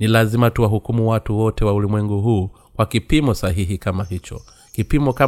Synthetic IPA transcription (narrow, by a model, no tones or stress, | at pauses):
nilazimatuwaɦukumuwatuwɔtɛwaulimwɛŋɡuɦuː | kwakipimɔsaɦiɦikamaɦit͡ʃɔ̰ | kipimɔka